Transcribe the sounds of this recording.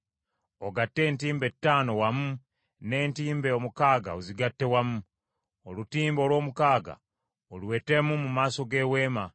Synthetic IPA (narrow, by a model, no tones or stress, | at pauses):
oɡatːe̞ːntiːmbe̞tːaːno̞wamu | ne̞ːntiːmbeomukaːɡa̰oziɡatːe̞wamu | olutiːmbo̞lwo̞ːmukaːɡa̰ | olwe̞ːtemumumaːso̞ɡe̞we̞ːma